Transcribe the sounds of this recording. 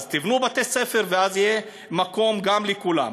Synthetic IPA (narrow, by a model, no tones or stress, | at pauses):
zt̪ivnubat̪esefe̞ʁveazije | mako̞mɡamlikula̰m